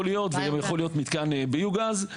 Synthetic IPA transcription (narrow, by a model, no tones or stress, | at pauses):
olijo̞t̪veɡamjaχo̞lijo̞t̪mit̪kanbejuɡaz